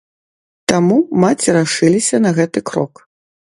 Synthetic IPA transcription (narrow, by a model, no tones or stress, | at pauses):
t̪amumat͡sʲiɾaʂɨlʲisʲɐnɐɣɛt̪ɨkɾɔ̰k